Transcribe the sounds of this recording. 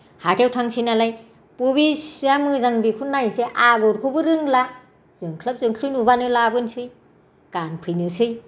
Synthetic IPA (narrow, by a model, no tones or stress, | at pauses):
hatʰewtʰaŋsʰinalaj | puβiszamɯzaŋbikʰunajnseʔaɡɔɾkʰubɯɾɯŋla | z̥ɯŋkʰlap̚zɯŋkʰɯjnubanɯlabɯnsɯj | kanpʰɯjnɯsɯj